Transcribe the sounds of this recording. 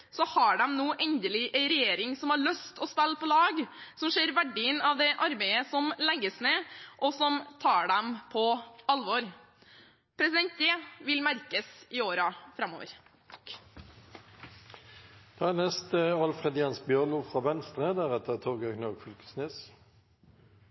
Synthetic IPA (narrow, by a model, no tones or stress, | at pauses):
sɔhɑɖɛmnuːʔɛnd̪əlɪʔæɪɾɛjeːɾɪŋsɔmhɑɾɭœst̪ɔspɛlːpʰɔlɑːɡsɔmʂeːɾʋæɖɪənɑʋd̪ɛʔɑɾbɛɪəsɔmlɛɡːəsneːʔɔsɔmt̪ʰɑːɖɛmpʰɔɑlʋɔɾ | pʰɾɛsɪd̪ɛnt̪̚jeːʋɪlmæɾkəsɪoːɾɑfɾɑmːo̰ːʋə̰ɾ | d̪̥ɑænɛst̪əɑlfʁɛd̪ɪɑnsbjœʁnuːfʁɑːʋɛnst̪ʁəd̪æʁɛt̪əʁt̪ʰoːɡøɡnɔʁɡfʉlkə̥sneːs